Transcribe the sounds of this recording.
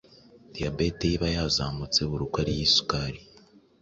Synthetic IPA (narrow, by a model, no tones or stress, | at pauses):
d̥ijabeteiβajazaːmut͡se̞βuɾukwaɾijisu̥kaɾi